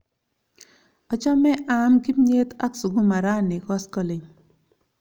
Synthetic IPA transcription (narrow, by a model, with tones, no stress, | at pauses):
ɔ˨t͡ʃɔ˦mɛ˦ʔa˨˦mki˦mɲe˦t̪a̰˦ksu˨ɡu˦ma˨ɾa˦nɪ˨kɔ˦skɔ˨lɪ˨ɲ